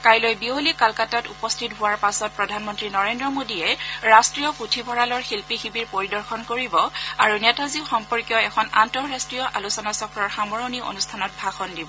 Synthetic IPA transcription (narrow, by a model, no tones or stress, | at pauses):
kajlɔjbiolikalkatatupɔstʰitɦʊwaɹpasɔt̚pɹɔdʱanmɔntɹinɔɹendɹɔmodiɛɹastɹijɔputʰibʱɔɹalɔɹxilpixibiɹpoɹidɔɹxʰɔnkoɹibɔaɹunɛtazixɔmpɔɹkijɔɛkʰɔnantɔɹastɹijɔʔa̰lusɔnasɔkɹɔɹxamɔɹɔnio̰nustʰanɔt̚bʱaxɔndibɔ